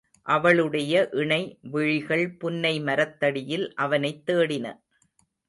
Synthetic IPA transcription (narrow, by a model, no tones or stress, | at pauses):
ʔɐʋɐɭɯɽɐjɐʔɪɳɐɪʋɪɻɪɣɐɭpʊnːɐɪmɐɾɐt̪ːɐɽɪjɪlʔɐʋɐnɐɪt̪ːeːɽɪnɐ̰